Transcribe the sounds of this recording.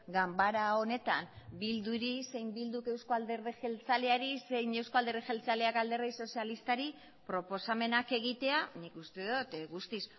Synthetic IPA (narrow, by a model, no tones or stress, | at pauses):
ɡambaɾao̞ne̞t̪ambild̪uɾise̞jmbild̪uke̞wskoald̪eɾðexe̞lt͡sale̞aɾise̞jne̞wsko̞ald̪erðexelt͡saleakald̪e̞rejso̞sialist̪aɾi | pɾo̞po̞same̞nake̞ɣ̞it̪e̞anikust̪e̞ðut̪ɣust̪is